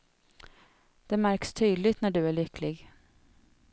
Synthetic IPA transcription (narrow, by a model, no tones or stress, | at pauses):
d̪̥ɛmæɾkst̪ʰyːd̪lɪt̪næɖɵæɭʏkʰːlɪɡ